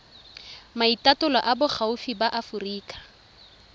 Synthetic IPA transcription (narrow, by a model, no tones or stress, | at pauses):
maitatʊlɔʔabʊχʰaufibaʔafuriːkḁ